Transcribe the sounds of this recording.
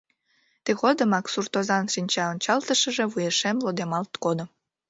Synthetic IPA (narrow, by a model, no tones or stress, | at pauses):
t̪exod̪əmɑksurt̪ozɑnʃinʲt͡ɕɑonʲt͡ɕɑlt̪əʃəʒeβujeʃemlod̪emɑlt̪kod̪o